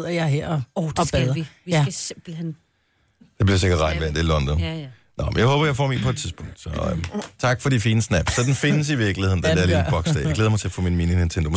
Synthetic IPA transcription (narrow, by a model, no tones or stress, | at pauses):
ð̰ˠɐjɑ̈ɦeɐ̰ɒɒb̥eðˠɐjb̥l̩hen | d̥e̝b̥liɐse̝ɡ̥ɐdʁɑ̈ɪnʋæɐnd̥e̝lɒ̽nd̥ɒn | nʔɒmenjaɪhɔːb̥ɐjaɪfɒ̰ːmḭpʰɒed̥̚t͡sʰiðˠsb̥ʰɔ̽ŋ̰d̥sɒt͡sʰɑ̈ɡ̥fɒ̽ɾifiːnəsnæb̥ssɒd̥enfe̝nəs̬iʋiɐɡ̥lihe̝ðˠn̩d̥ed̥æɐlḭb̥ɒɡ̥sd̥ɛ̰ːjɡ̥leːðˠɐmɑɪt͡sʰe̝æɐfɔ̰ːminmiːnine̝nt͡sʰend̥om